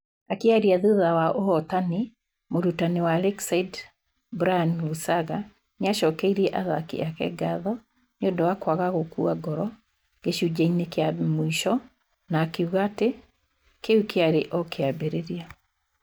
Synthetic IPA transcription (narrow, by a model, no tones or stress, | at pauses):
akeaɾiaðuðawaʔohɔtani | moɾutanewalɛksaid | bɾanlusaɣa | neaʃɔkɛiɾɛʔaðakḭakɛ̰ɡaðɔ | ɲondɔwakwaɣaɣokuaɡɔɾɔ | ɡeʃud͡ʒainekeamoiʃɔ | naːkeuɣate | keukeaɾeʔɔkeabeɾeɾia